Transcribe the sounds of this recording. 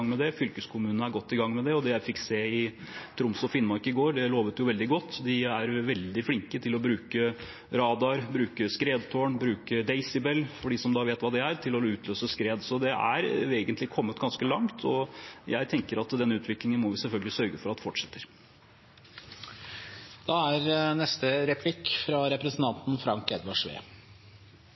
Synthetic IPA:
ŋmɛd̪ɛfʏlkəskʰʊmʉːnənəæɾɡɔt̪ːɪɡɑŋːmɛd̪ɛɔd̪ɛjæɪfɪkːseːɪ | t̪ʰɾʊmsɔfɪnːmɔɾkɪɡoːɾɖɛloːʋət̪jʊʋɛld̪ɪɡɔt̪ːd̪ɪæɾʋɛld̪ɪfɽɪŋkət̪ʰɪlɔbɾʉːkə | ɾɑːd̪ɑɾbɾʉːkəskɾeːd̪t̪ʰoːɳbɾʉːkəd̪ɛɪsɪbɛlːfɔɖiːsɔmd̪ɑːʋeːt̪ʋɑːd̪ɛæɾt̪ʰɪlɔʉːt̪ʰløːsəskɾeːd̪sɔd̪ɛʔæ̰ɾeːɡənt̪lɪkʰɔmːət̪ɡɑnskəlɑŋt̪ʰɔjæɪt̪ʰɛŋkəɾɑt̪d̪ɛnːəʉːt̪ʋɪklɪŋənmɔʋɪsɛlfœlɡəlɪsœɾɡəfɔɾɑt̪ːfɔʈʂɛt̪ːəɾ | d̪̥ɑːæɾnɛst̪əɾɛpʰlɪkːfɾɑɾɛpɾɛsn̩t̪ʰɑnt̪n̩fɾɑŋkɛd̪ʋɑʂʋḛː

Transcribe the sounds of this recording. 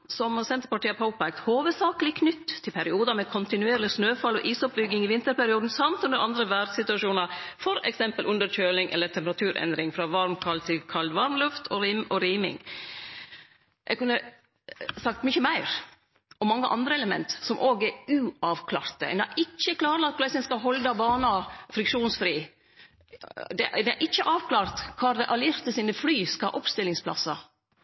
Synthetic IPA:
sɔmsɛnt̪əɾpɑʈiːəpʰɑʊpæk̚t̪hoːʋəd̪sɑːkəlɪkʰnʏt̪ʰːɪlpʰæɾɪuːd̪ɑmɛkʰɔnt̪ɪnʉeːɾəlɪsnøːfɑlːɔʔiːsɔp̚bʏɡːɪŋɪʋɪnt̪əɾpæɾɪuːd̪n̩sɑmt̪ʉnd̪əɾɑnd̪ɾəʋæɖsɪt̪ʉɑʂuːnɑfɔɾɛ̰ksɛmpəlʔʉnd̪əɾc͡çøːlɪŋʔɛ̰lːəɾt̪ʰɛmpəɾɑt̪ʰʉːɾʔɛ̰nd̪ɾɪŋfɾɑːʋɑɾmkʰɑlt̪ʰːɪlkʰɑld̪ʋɑɾmlʉft̪ʰɔɔɾiːmɪ̰ŋ | jʔɛ̰ɡkʉnːə | sɑk̚t̪mʏçəmæɪɾ | ʔɔmɑŋːəʔɑ̰nd̪ɾəɛləmɛ̰nt̪sɔmʔoːɡɛɾʉɑʋkʰlɑːɾt̪ə̰næɪt͡ʃːəkʰlɑːɾəlɑt̪̚kʰʊlɛɪsɪnskɑɦɔld̪ɑbɑːnɑfɾɪkʂuːnsfɾiː | d̪ɛd̪ɛæ̰ʔɪt͡ʃːəʔɑːʋkʰlɑːɾt̪kʰɑːɾd̪ɛʔɑlɪɾt̪əsiːnəflyːskɑʔɔpst̪ɪlɪŋspʰlɑ̰sɑ

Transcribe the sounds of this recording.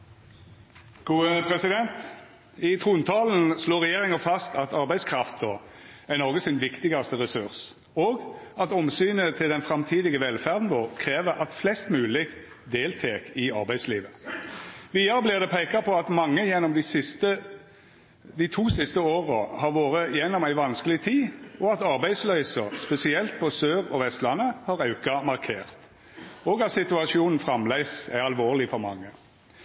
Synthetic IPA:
ɡ̥uːəpʰɾɛsɪd̪ɛnt̪ | ɪt̪ʰʁuːnt̪ʰɑːln̩sloːʁɛjeːʁɪŋəfɑst̪ʰɑt̪ɑʁbæɪskʰʁɑft̪ɔænɔʁɡəsɪnʋɪkt̪ɪɡɑst̪əʁɛsʉʁs | oːɡɑt̪ɔmsyːnət̪ʰɪld̪ɛnfʁɑmt̪ʰiːd̪ɪɡəʋɛlfæʁd̪n̩ʋoːʁkʰʁeːʋəɾʔɑt̪flɛst̪mʉːlɪɡ | d̪eːlt̪ʰeːkɪɑ̰ʁbæɪd̪slḭːʋə | ʋiːɑʁəblɪːʁd̪ɛpʰeɪkɑpʰɔɑt̪mɑŋːəjɛnːɔmd̪ɪsɪst̪ə | d̪ɪt̪ʰuːsɪst̪əoːʁəhɑʁʋoːʁəjɛnːɔmæɪʋɑnskəlɪt̪ʰiːɔɑt̪ɑʁbæɪslœʏsəʁspɛsɪɛlt̪̚pʰɔsøːʁɔʋɛst̪lɑnːəhɑʁɑʉkɑmɑʁkʰeːʁt̪ | ɔːɡɑt̪sɪt̪ʉɑʃɪuːnn̩fʁɑmlæɪsæɑlʋoːʁlɪfɔʁmɑ̰ŋːə

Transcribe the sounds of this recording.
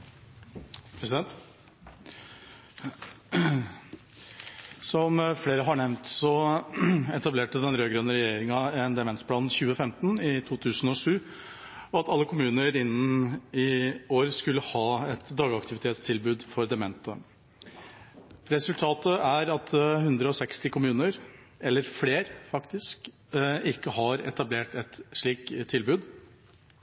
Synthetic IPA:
pʰɾɛsɪd̪ɛnt̪ | sɔmfleːɾəɦɑɳɛʋnt̪sɔ | ɛt̪ɑbleːʈəd̪ɛnɾøːɡɾœːnəɾɛjeːɾɪŋɑɛnd̪ɛmɛnt̪spʰlɑːnn̩çʉːəfɛmt̪nɪt̪ʰuːt̪ʰʉːsn̩ɔʂʉː | ɔɑt̪ɑlːəkʰʊmʉːnəɾɪnːn̩ɪoːɾskʉlːəhɑːɛt̪d̪ɑːɡɑkt̪ɪʋɪt̪ʰeːt̪st̪ʰɪlbʉːd̪fɔɾd̪ɛmɛnt̪ə̰ | ɾɛsʉlt̪ʰɑːt̪əæɾɑt̪ʰhʉnd̪ɾəɔsɛkst̪ɪkʰʊmʉːnəɾ | ɛlːəɾfleːɾfɑkt̪ɪsk | ɪkːəhɑɾɛ̰t̪ɑbleːʈɛt̪ʂɭiːkt̪ʰːɪlbʉːd̪

